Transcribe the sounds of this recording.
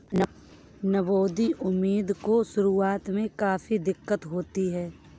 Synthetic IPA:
n | nɐboːd̪iʔʊmːiːd̪kosʊɾuːaːt̪mẽkaːfid̪ɪkːət̪ɦoːt̪iɦɛː

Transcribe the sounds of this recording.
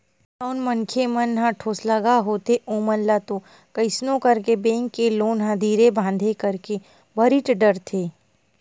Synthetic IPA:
saʊnmɐnkʰemɐnɦãʈʰoːsləɡaɦoːt̪eʔoːmənlat̪o | kɐɪsnõkɐɾkebẽːŋkːeloːnɦãd̪ʱiːɾebʱãːnd̪ʱekɐɾke | bəɾiʈɖəɾt̪ʰeː

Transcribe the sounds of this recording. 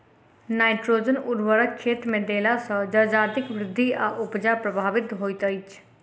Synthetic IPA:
naːɪʈɾoːd͡ʒənʊdʋəɾəkʰːeːt̪mẽːd̪eːlaːsəːd͡ʒəd͡ʒaːt̪ɪkʋɾɪd̪ʱːiːaːʔʊpd͡ʒaːpɾəbʱaːʋɪt̪ɦoːit̪əit͡ʃ

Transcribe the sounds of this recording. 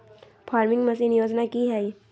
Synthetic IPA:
pʰaːɾmɪ̃ŋɡmɐsinɪjoːd͡ʒnakiɦɛ

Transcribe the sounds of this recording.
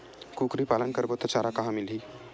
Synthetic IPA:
kukɾipaːlənkəɾbot̪ɔt͡ʃaːɾakɐɦãmilɦi

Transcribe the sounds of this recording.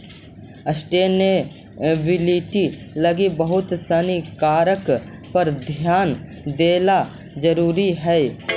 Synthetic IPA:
əsʈeːne | ʋɪliːʈi | ləɡibəɦʊt̪sənikaːɾəkpəɾd̪ʱjaːn | d̪eːla | d͡ʒəɾuːɾiɦɛː

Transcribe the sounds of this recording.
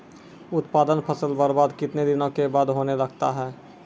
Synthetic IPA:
ʊt̪paːd̪ənpʰəsəlbəɾbaːd̪kɪt̪ned̪ɪnõkebaːd̪ɦoːnelɐɡt̪a̰ɦɛː

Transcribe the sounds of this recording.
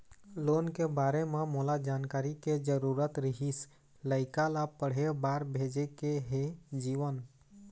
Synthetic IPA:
lonkebaɾememolad͡ʒankaːɾiked͡ʒəɾuɾət̪ɾiɦis | ləɪkalapəɽ̤ebaɾbʱed͡ʒekeɦed͡ʒiʋən

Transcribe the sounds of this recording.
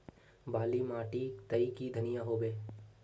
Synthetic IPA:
baːlimaːʈit̪ɐikid̪ʱɐnɪjaɦoːbeː

